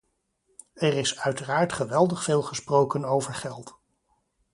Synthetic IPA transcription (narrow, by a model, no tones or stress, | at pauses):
ɛrɪsœɥtəraːɹtχəʋɛlˠdəχfeːlˠχəsprowkənowvəɹχɛlˠt